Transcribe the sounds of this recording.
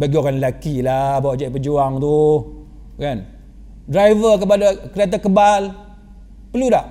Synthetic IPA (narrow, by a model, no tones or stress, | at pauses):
baɡiɔkanlakilabawaʔd͡ʒaʔpəd͡ʒuaŋt̪u | kan | dɾajvək̬əpadakəɾiat̪̬akəbal | pəludaʔ